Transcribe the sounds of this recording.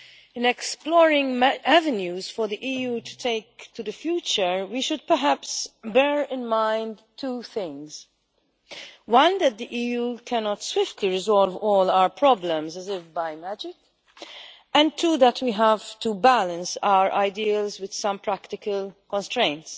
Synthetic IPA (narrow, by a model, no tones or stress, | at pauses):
ɪ̃nɛksplɔːɹɪ̃ŋævɛnjuːz̥fɔɾðiʔiːjuːtʰu̥tʰeɪk̚tud̪əfjuːt͡ʃəɹwiʃʊd̚pəɦæpsbɛːɹɪ̃nmãɪ̃ndtʰːuːθɪ̃ŋz | wʌ̃nd̪æt̪̚d̪iʔiːjuːkʰænɔtswɪftʰliɹɪzɔlvɔːlawəpʰɹɔblə̃mzəzɪfbaɪmæd͡ʒɪk | ɛ̃n̚tʰːuːðətʰwiːɦæv̥tubælə̃nsaʊəɹʔa̰ɪdilzwɪd̪̥sʌ̃mpɾæktɪkəlkɔ̃nstɹẽɪ̃nts